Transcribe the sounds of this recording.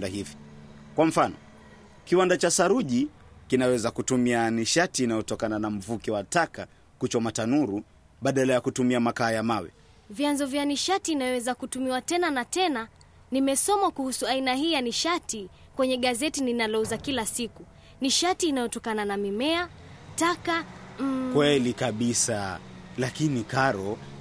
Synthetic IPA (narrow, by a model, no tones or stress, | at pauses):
dahivikwam̩fanɔ̰ | kiwandat͡ʃasaɾuʄikinawɛzakutumianiʃatiːnajɔtɔkananam̩vukiwataka | kut͡ʃɔmatanuɾu | ɓaɗalajakutumiamakaːjamawḭ | vjanzɔvjaniʃatiːnajɔwɛzakutumiwatɛnanatɛna | nimɛsɔmakuhusuainaɦiːjaniʃati | kwɛɲɛɠazɛtininalɔuzakilasiku | niʃatiːnajɔtɔkananamimɛataka | kwɛlikaɓisalakinikaɾɔ